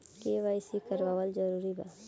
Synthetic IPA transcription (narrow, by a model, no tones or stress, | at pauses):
keʋaɪsikəɾʋaːwəld͡ʒəɾuːɾiba̰ː